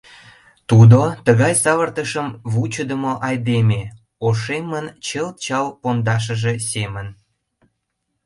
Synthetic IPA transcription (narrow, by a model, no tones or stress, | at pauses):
t̪ud̪ot̪əɣɑjsɑβərt̪əʃəmβut͡ɕəd̪əmoʔɑjd̪eme | oʃemənt͡ɕəlt̪̚t͡ɕɑlpond̪ɑʃ̬əʒesemən